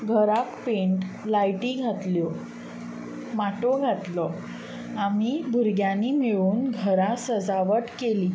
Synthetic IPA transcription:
ɡʱəɾakpeɳʈlajʈiɡʱat̪ljo | maʈoɡʱat̪lɔ | amibʱuɾɡjanːimeɭuːnɡʱəɾasəd͡zaʋəʈkeliː

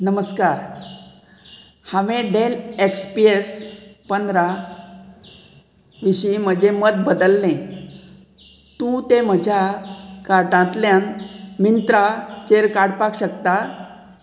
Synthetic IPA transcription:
nəməskaɾ | haʋẽɖelekspiespənd̪ɾa | ʋiɕim̤əd͡ʑeməd̪̚bəd̪əlːẽ | t̪ũt̪em̤əd͡ʑʱakaɾʈãt̪ljanmint̪ɾat͡ɕeɾkaɽpakɕəkt̪a

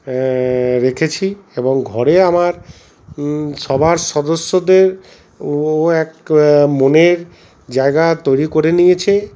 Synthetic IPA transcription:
ɾekʰet͡ɕʰieboŋɡʱɔɾeamaɾ | ʃɔbʱaɾʃɔd̪osːod̪eɾ | oɛkmoneɾ | d͡ʑaeɡat̪ojɾikoɾenijet͡ɕʰe

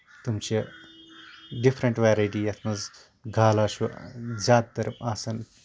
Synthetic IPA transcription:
t̪umt͡ʃe | ɖifʰɾɐɳʈʋeːɾajʈiːɐt̪ʰmɐz | ɡʱaːlaːʃuzaːd̪t̪ɐɾɐmaːsɐn

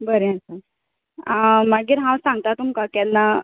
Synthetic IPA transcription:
bəɾẽəsa | maɡiːɾɦãwsãŋɡ̚t̪at̪umkakɛnːa

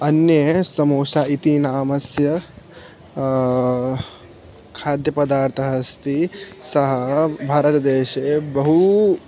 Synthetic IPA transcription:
ɐnjɐsɐmoːsaːit̪inaːmɐsjɐ | kʰaːd̪jɐpɐd̪aːɾt̪ʰɐɦɐst̪ʰisɐɦɐbʱaːɾɐt̪ɐd̪eːʃeːbɐɦu

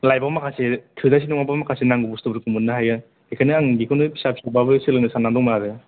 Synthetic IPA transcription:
lajbamakʰasetʰɯdas̬inɔŋabamakʰasenaŋɡɯbustɯbɯɾkɯmɯnːɯɦajɯ | ekʰajnɯaŋɡikʰɔnɯpʰi̥sapʰsababɯsɯlɯnɯsanːaŋdɔŋmaɾɯ

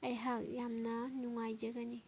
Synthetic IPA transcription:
ɐjɦak̚jamnɐnuŋajd͡ʒaɡani

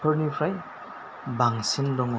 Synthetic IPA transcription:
pʰəɾnipʰɾaj | baŋsindɔŋɔ

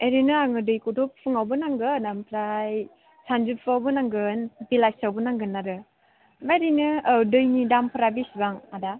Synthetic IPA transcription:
eɾinɯaŋɯdɯjkɔdɔppʰɯŋawbɯnaŋɡɯnampʰɾaj | sand͡ʒuppʰawbɯnaŋɡɯnbilasawbɯnaŋɡɯnːaɾɯ | maɾinɯːdɯjnidampʰɯɾabisibaŋada

